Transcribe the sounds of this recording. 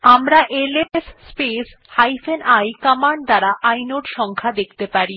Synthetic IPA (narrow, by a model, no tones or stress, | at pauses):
amɾaʔelesːpes | hajfenajkamaɳɖd̪aɾaʔajnoʈʃɔŋkʰad̪ekʰt̪epaɾi